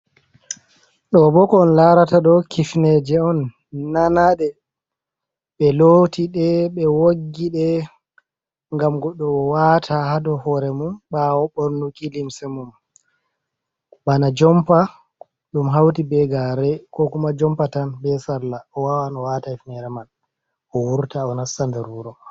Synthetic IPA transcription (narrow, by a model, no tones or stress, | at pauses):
ɗɔbɔkɔːnlaɾataɗɔkifnɛd͡ʒɛɔnː | anaɗɛ | ɓɛlotiɗɛɓɛwoɡːiɗɛ | ŋɡamɡɔɗːɔwatʰahadɔhɔɾɛmumɓawɔɓɔnːukilimsɛmum | ɓanad͡ʒɔmpa | ɗumɦawtibɛɡaɾɛkɔkumad͡ʒɔmpatanbɛsalːaɔwawanɔwataifnɛɾɛman | ɔwuɾtaɔnasandɛɾuɾɔ